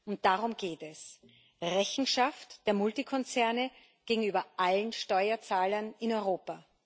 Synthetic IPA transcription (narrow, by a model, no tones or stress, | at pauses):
ʊnt̚d̥aʁʊmɡ̥eːtɛs | ʁɛçn̩ʃaftd̥eːɐmʊltikʰɔnt͡sɛɐnə | ɡ̥eːɡŋ̩yːbɐʔalənʃtɔʏɐt͡saːlɐnɪnɔʏʁoːpa